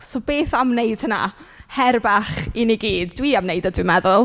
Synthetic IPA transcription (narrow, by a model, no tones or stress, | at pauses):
sobeːθamnejd̥həna̰hɛrbaχiniɡiːdːwiamneɨdədwimɛðʊlˠ